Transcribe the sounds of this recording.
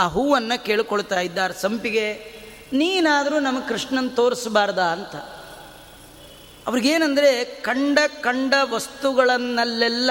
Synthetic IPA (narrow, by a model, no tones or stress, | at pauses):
aɦuːʋɐnːɐke̞ːɭkoɭut̪aːjid̪ːaːɾɐsɐmpiɡe̞ | niːnaːd̪ɐɾuːnɐmːɐɡkɾiʂɳɐnːɐt̪o̞ːɾisbaːɾd̪aːnt̪ɐ | ɐʋɐɾiɡeːnɐnd̪ɐɾe̞kɐɳɖɐkɐɳɖɐʋɐst̪uɡɐɭɐnːɐlːɛlːɐ